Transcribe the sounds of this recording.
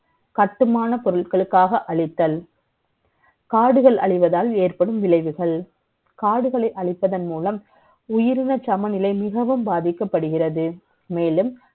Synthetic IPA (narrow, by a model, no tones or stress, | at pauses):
kɐʈːɯmaːnɐpɔɾɯɭkɐɭɯkːaːɣɐʔɐɭɪt̪ːɐl | kaːɽɯɣɐɭʔɐ̰ɭɪʋɐðaːleːrpɐɽɯmʋɪlɐɪʋɯɣɐɭ | kaːɽɯɣɐɭɐɪʔɐɭɪpːɐðɐnmuːlɐm | ʊjɪɾɪnɐt͡ʃɐmɐnɪlɐɪmɪɣɐʋɯmbaːðɪkːɐpːɐɽɯɣɪrɐðɯ | meːlɯm